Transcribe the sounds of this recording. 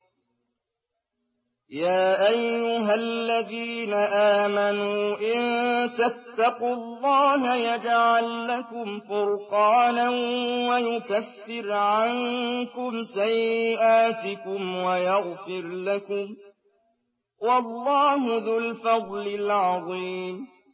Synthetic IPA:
jaːʔajːʊɦalːaðiːnaʔaːmanuːʔɪnt̪at̪ːɑqʊlˤːɑːɦajad͡ʒʕalːakʊmfʊɾqɑːnawajʊkaθːɪɾʕaŋkʊmsajːɪʔaːt̪ɪkʊmwajɑɣfɪɾlakʊm | wɑlːɑːɦʊðʊlfɑd̪ˤlɪlʕɑðˤiːm

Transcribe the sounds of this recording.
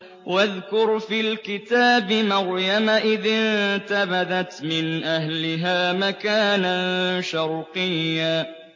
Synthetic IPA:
waðkʊɾfiːlkɪt̪aːbɪmaɾjamaʔɪðɪnt̪abaðat̪mɪnʔahlɪɦaːmakaːnaʃɑɾqɪjːaː

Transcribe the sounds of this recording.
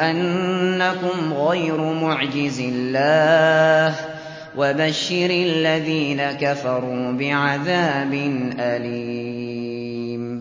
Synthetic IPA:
ʔanːakʊmɣajɾʊmʊʕd͡ʒɪzɪlːaːh | wabaʃːɪɾalːaðiːnakafɑɾˤuːbɪʕaðaːbɪnʔaliː | m

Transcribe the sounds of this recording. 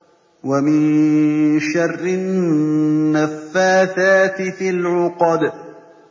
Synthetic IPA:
wamɪn | ʃɑrːɪ | afːaːθaːt̪ɪfɪlʕʊqɑd̪

